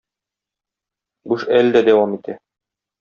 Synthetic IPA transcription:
buʃæld̪æd̪æwɑmit̪ʰæ

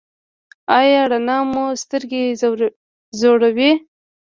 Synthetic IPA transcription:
ɑjɑɽanɑmust̪əɾɡe | zoɽawi

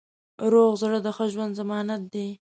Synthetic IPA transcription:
ɾoɣzɽəd̪əxəʒwand̪zamɑnat̪̚d̪e

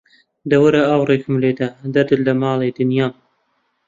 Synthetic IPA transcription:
d̪ɐwɨɾaɐwreːkɨmleːd̪ɐd̪ɐɾd̪ɨllɐmɑːled̪ɨnjɑː

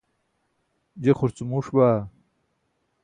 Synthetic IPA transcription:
d͡ʑeχuɾt͡sumuʂbaː

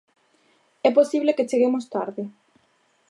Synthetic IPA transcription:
ɛposiβleket͡ʃeɣemost̪aɾðɪ

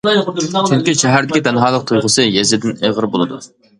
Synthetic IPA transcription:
t͡ʃʰyŋkʲiʃɛɦæɾd̪ɪkʲid̪ʰɛnɦɑːlˠəq̚t̪ʰujʁəsɨjɛzɪd̪ɪneʁəɾbolˠɨd̪u

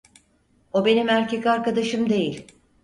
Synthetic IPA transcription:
o̞be̞nimæɾcekʲaɾkad̪aʃɯmd̪e̞jilʲ

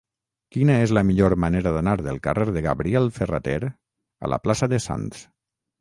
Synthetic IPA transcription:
kinaezləmiʎoɾmaneɾaðanaɾðəlˠkareɾðəɣaβɾiɛlˠfera̰t̪eɾ | a̰lʔa̰plasəðəsa̰ns

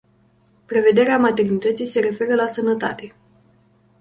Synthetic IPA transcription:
pɾe̞ve̞d̪e̞ɾeamat̪e̞rnit̪ət̪sijse̞ɾe̞fe̞ɾəlasənət̪a̰t̪e̞

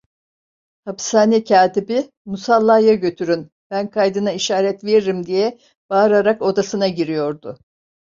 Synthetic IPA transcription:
hapsaːnicʰaːt̪ibi | musalˠːajaɟø̞t̪ʰyɾyn | b̥ænkʰajd̪ɯnaiʃaːɾɛt̪ve̞ɾiɾimd̪ijɛ | b̥aːɾaɾako̞d̪asɯnaɟiɾijo̞ɾd̪ʊ

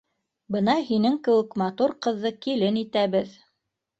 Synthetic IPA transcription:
bɤnɑhinɘŋkɘ̆wɘ̆kmɑt̪uɾqɤ̆ðːɤkilɘnit̪æβɘð

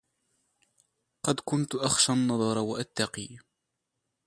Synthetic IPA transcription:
qɑd̪kʊnt̪ʔaxʃanːɑðˤɑɾˤɑwaʔat̪ːɑqiː

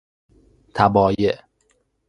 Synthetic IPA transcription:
t̪ʰæbɒːjeʔ

